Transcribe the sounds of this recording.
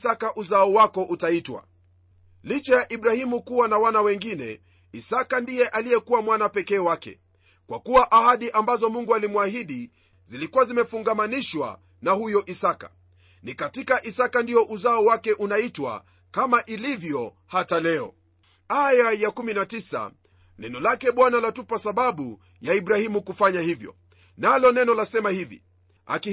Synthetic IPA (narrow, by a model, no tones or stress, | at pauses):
sakaʔuzaɔwakɔʔutaitwa̰ | lit͡ʃɛjaʔiɓɾahimukuwanawanawɛŋɡinɛ̰ | isakandijɛʔalijɛkuwamwanapɛkɛːwakɛ̰ | kwakuwaʔahaɗiʔambazɔmuŋɡualimwahiɗi | zilikuwazimɛfuŋɡamaniʃwa̰ | nahujɔʔisaka̰̥ | nikatikaʔisakandiɔʔuzaɔwakɛʔunaitwa̰ | kamaʔilivjɔ | hatalɛɔ̰ | ajajakuminatisa̰ | nɛnɔlakɛɓwanalatupasaɓaɓu | jaiɓɾahimukufaɲahivjɔ̰ | nalɔnɛnɔlasɛmahivḭ | a̰ki